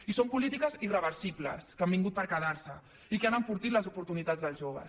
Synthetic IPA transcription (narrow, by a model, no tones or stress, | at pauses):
isompulit̪ikəzirəβəɾsiblə̰skambiŋɡut̪̚pəɾkəðaɾsə | ikeanəɱfuɾt̪it̪ləzupuɾt̪unit̪ad͡zðəlˠzʒoβ̞ə̰s